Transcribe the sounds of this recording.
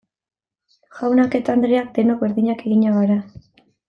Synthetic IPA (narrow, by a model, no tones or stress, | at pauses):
ʝawnake̞t̪aand̪ɾeak̚d̪e̞nokbe̞ɾðiɲake̞ɣiɲaɣaɾa